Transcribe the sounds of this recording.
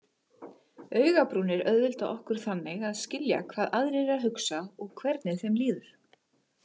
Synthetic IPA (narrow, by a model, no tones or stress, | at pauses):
œːɥɣapɾuːnɪɾœðvɪlt̪aʔɔhkʏɾ̥θanːɪɣaðscɪlja̰kʰv̥aːðaðɾɪɛɾaðɦʏksaɔɣkʰvɛɾt̪nɪθɛjmliːðʏɾ̥